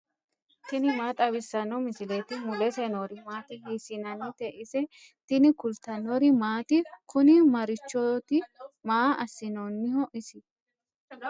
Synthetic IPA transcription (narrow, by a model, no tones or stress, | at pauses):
t̪ɪnɪmaːt̪ʼɐbɪsːɐnɔmɪsɪleːt̪ɪmʊlɛsɛnoɾɪmaːt̪ɪhiːsɪnɐnɪt̪ɛʔɪsɛ | t̪ɪnɪkʊlt̪ːɐnɔɾɪmaːt̪ɪkʊnɪmɐɾɪt͡ʃːɔt̪ɪmaːɐsːɪnonːɪhɔʔɪsɪ